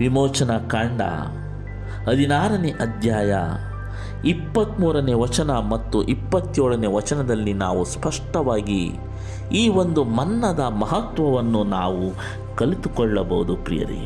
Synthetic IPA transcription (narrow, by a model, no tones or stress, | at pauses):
ʋimɔːt͡ʃɐnɐkaːɳɖɐ̰ | ɦɐd̪ʱinaːɾɐneʔɐd̪ʱjaːjɐ̰ | ipːɐt̪muːɾɐneːʋɐt͡ʃɐnɐmɐt̪ːuʔipːɐt̪ːjoːɭɐneːʋɐt͡ʃɐnɐd̪ɐlːinaːʋuspɐʂʈɐʋaːɡḭ | iːʋond̪umɐnːɐd̪ɐmɐɦɐt̪ʋɐʋɐnːunaːʋu | kɐlit̪ukɔɭːɐbɐɦud̪upɾḭjɐ̰ɾḭ